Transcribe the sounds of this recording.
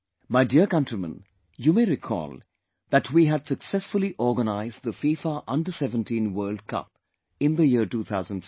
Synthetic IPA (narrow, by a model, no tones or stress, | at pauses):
maɪdiəkʌ̃ntɹimə̰̃n | juːmeːɾɪkʰɔ̰ːlˠ | d̪æʈʰwiːɦædsəksɛsfʊliʔɔːɡənaɪzd̚ðəfiːfaʔʌ̃ndəsɛvə̃ntĩːnwɜːld̚kʰʌ̰p̚ | ɪ̃nd̪əjiəʈuːt̪ʰaʊzə̃n